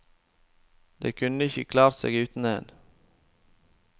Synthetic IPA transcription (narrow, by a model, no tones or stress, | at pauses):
d̪ḛːkʰʉnəɪçəkʰlɑːɾsḛːɡʉːt̪n̩eːn